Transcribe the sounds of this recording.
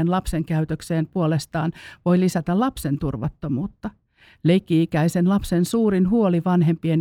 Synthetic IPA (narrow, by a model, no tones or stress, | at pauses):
enlɑpseŋkæyt̪økseːmpuolest̪ɑːnʋoilisæt̪ællɑpsent̪urʋɑ̰t̪ːomuːt̪ːɑ | leikːiikæisenlɑpsensuːrinhuoliʋɑnhempien